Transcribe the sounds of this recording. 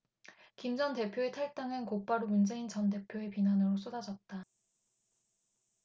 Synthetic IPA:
kimd͡ʑʌnte̞pʰjoetʰaɭt͈aŋɯnkop͈aɾumund͡ʑe̞int͡ɕʌnde̞pʰjoe̞pinanɯɾos͈odad͡ʑʌt̚t͈a

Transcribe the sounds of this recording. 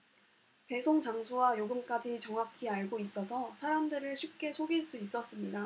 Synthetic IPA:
ke̞sʰoŋt͡ɕaŋsʰowajoɡɯmk͈ad͡ʑit͡ɕʌŋɦakʰiaɭɡois͈ʌsʰʌsʰaɾamdɯɾɯɭɕʰip̚k͈e̞sʰoɡiɭs͈uis͈ʌs͈ɯmɲida

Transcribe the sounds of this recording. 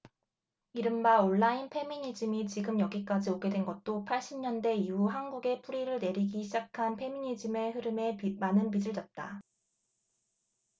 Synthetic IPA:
iɾɯmbaoɭːainpʰe̞miɲid͡ʑɯmit͡ɕiɡɯmjʌɡik͈ad͡ʑioɡe̞dwe̞nɡʌt̚t͈opʰaɭɕ͈ʰimɲʌnde̞iuɦanɡuɡe̞pʰuɾiɾɯɭne̞ɾiɡiɕʰid͡ʑakʰanpʰe̞miɲid͡ʑime̞ɦɯɾɯme̞manɯnpid͡ʑɯɭd͡ʑʌt̚t͈a

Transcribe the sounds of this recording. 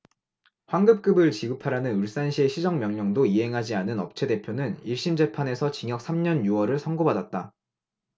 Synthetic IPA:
ɸwaŋɡɯp̚k͈ɯbɯɭt͡ɕiɡɯpʰaɾanɯnɯɭs͈anɕʰie̞ɕʰid͡ʑʌŋmjʌŋɲʌŋdoiɦe̞ŋɦad͡ʑianɯnʌp̚t͡ɕʰe̞de̞pʰjonɯniɭɕ͈imd͡ʑe̞pʰane̞sʰʌt͡ɕiŋjʌk̚sʰamɲʌnjuʌɾɯɭsʰʌŋɡobadat̚t͈a

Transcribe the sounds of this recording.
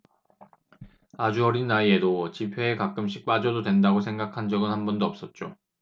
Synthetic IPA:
ad͡ʑuʌɾinːaie̞dot͡ɕipʰe̞ːkak͈ɯmɕ̬͈ʰik̚p͈ad͡ʑʌdodwe̞ndaɡosʰe̞ŋɡakʰand͡ʑʌɡɯnhanbʌndoʌp̚s͈ʌt̚t͡ɕ͈o

